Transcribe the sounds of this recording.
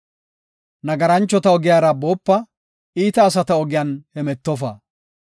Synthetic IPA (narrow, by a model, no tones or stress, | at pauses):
nɐɡɐɾɐnt͡ʃːɔt̪ɐɔɡɪjaːɾɐbo̞ːpːɐ | iːt̪ɐːsɐt̪ɐɔɡɪjaːnhɛmɛt̪ːɔfa̰ː